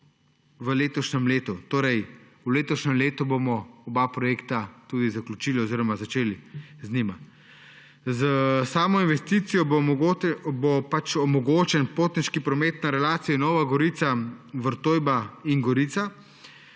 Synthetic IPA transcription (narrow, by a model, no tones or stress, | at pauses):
ʋəleːt̪ɔʃnɛmleːt̪ut̪oːɾɛj | uleːt̪ɔʃnɛmleːt̪ubomɔɔbapɾɔjeːkt̪at̪uːd̪izaklʲut͡ʃiːliɔziɾɔmazat͡ʃeːliznʲima | zəsaːmɔinʋɛst̪iːt̪sijɔ | bopat͡ʃɔmɔɡoːt͡ʃɛnpoːt̪niʃkipɾɔmeːt̪naɾɛlaːt̪sijɔnɔːʋaɡɔɾit̪saʋəɾt̪oːjbainɡɔɾiːt̪sa